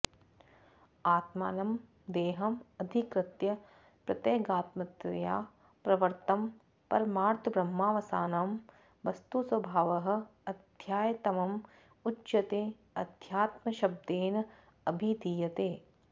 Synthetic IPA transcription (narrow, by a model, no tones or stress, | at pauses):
aːt̪ma̰ːnɐm | d̪eːɦɐmɐd̪ʱikɾɪt̪jɐ | pɾɐt̪eːɡaːt̪mɐt̪ɐjaː | pɾɐʋɐɾt̪ɐm | pɐɾmaːɾt̪ʰɐbɾɐmːaːʋɐsaːnaːm | ʋɐst̪usʋɐbʱaːʋɐɦɐ̆ɐd̪ʱjaːjɐt̪ɐmɐm | utːʃɐt̪eː | ɐd̪ʱjaːt̪mɐʃɐb̚d̪eːnɐ | ɐbʱid̪ijɐt̪eː